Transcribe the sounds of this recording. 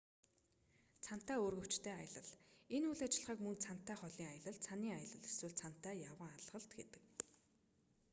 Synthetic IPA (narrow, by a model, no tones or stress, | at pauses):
t͡sʰan̥t̪æːoːrɣɵ̆w̥t͡ɕt̪ʰæːajə̆ɮə̆ɮenuːɮat͡ɕɪ̆ɮʁaːkmɵnt͡sʰan̥t̪ːæːχɔɮiːŋajə̆ɮə̆ɮt͡sʰaniːŋajə̆ɮə̆ɮeswɘ̆ɮt͡sʰan̥t̪ːæːjawʁə̆ŋaɮʁə̆ɮt̪ɡet̪ɘ̥̆k